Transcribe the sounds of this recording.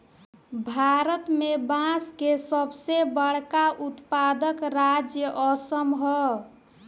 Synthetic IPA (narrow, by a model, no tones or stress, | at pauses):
bʱaɾət̪mebãskesəbsebəɽkaʔut̪pad̪əkɾad͡ʒjəʔəsəmɦə